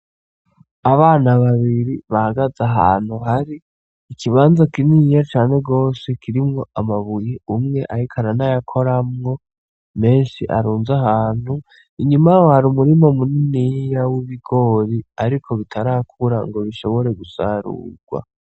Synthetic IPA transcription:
aβaːnaβaβiɾiβahaɡazaɦa̰ːn̥huɦaɾiː | kʰiβaːnzakinijat͡ʃaːne̞ɡo̞ːse̞kʰiɾimŋo̞amaβujeumŋe̞ʔahikʰaɾanajakʰo̞ɾamŋo̞ | me̞ːnʃiʔa̰ɾuːnzaɦaːn̥hu | iɲumawohaɾumuɾimomuninijawiβiɡ̥o̞ːɾiaɾikʰo̞βitʰaɾaːkʰuɾa̰ŋɡo̞βiʃo̞βo̞ɾe̞ɡusa̰ɾṵːɡ̥wa̰

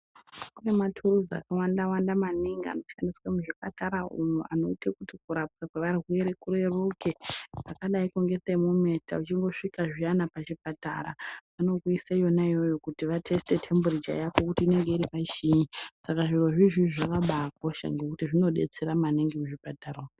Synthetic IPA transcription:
kune̞matʰuruza̰kawandawandamaniŋɡia̰no̞ʃandiswamuʐipataɾaṵmuʔa̰no̞̰itekutikuɾap̚kakwe̞ʋarweɾekuɾe̞rukepakaɗaiko̞ŋɡe̞semume̞ta̰ut͡ʃiŋɡo̞ʂikaʐianapat͡ʃipata̰ɾa̰ano̞kuisajo̞naijo̞jo̞kutiʋatʰe̞ste̞tʰe̞mbuɾid͡ʒa̰jakokutiːne̞ŋɡe̞iɾipaiʃiɲisakaʐiro̞ʐiʐiʐakaɓak̚o̞ʃa̰ŋɡe̞kutiʐino̞ɗe̞̰t͡se̞ɾamaniŋɡimuʐipatara

